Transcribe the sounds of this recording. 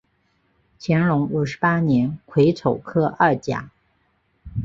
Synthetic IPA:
t͡ɕʰjɛ˧˥nɻʊ˧˥ŋu˨˩ʂɻ̩˧˥pa˥njɛ˧˥nkʰwe˧˥ɪt͡sʰo˨˩ʊkʰɤ˥ʔɐ˥˩t͡ɕja̰˨˩˦

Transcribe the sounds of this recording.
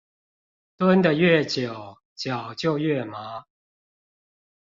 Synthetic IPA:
t̪wə˦nd̪ə˨ɥɛ˥˨˩t͡ɕjo˨˩ʊ | t͡ɕjɑ˨˩ʊt͡ɕjo˥˧ʊɥɛ˥˩ma˨˦

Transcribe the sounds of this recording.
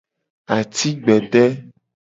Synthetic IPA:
a˨t̪i˦ɡ͡bɛ˨ɖɛ˦

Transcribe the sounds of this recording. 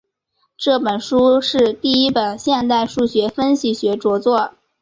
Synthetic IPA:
ʈ͡ʂɤ˥˩pə˨˩nʂu˥ʂɻ̩˥˧t̪i˥˩i˥pə˨˩nɕjɛ˥˧nt̪a˥˧ɪʂu˥˩ɕɥɛ˧˥fə˥nɕi˨˩ɕɥɛ˧˥ʈ͡ʂwɔ˧˥t͡swɔ˥˩

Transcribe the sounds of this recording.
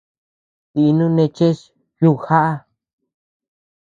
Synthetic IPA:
t̪i˧nũ˦nẽ˧t͡ʃe˦ʃ | ju˦˧xa˦ʔa˦˧

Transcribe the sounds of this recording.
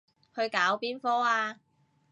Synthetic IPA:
hɵ˧ɥkaː˨˥wpiː˥nfɔː˥aː˧

